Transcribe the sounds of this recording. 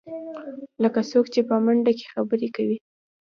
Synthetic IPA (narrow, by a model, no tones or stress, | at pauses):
ləkasokt͡ʃepəmaɳɖake̥xabəɾekawi